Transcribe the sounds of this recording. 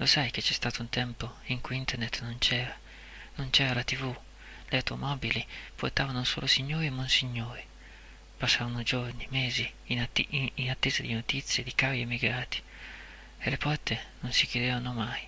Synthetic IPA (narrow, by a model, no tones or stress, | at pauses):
losajk̟et͡ʃːɛst̪aːt̪ount̪ɛmpoiŋkujint̪ernet̪nont͡ʃɛːɾa | nont͡ʃɛːɾalat̪ivu | leawt̪omɔːbiliport̪aːvanoso̰ːlosiɲːoːɾimonsiɲːoːɾi | pasːaːvanod͡ʒornimeːzi | niinat̪ːeːzad̪inot̪it̪sːjed̪ikaɾiemːiɡɾaːt̪i̥ | elepɔrt̪enonsikjed̪evanomaj